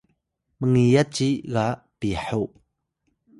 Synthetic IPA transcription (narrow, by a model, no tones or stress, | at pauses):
məŋijat͡ʃiɣa | piħɔw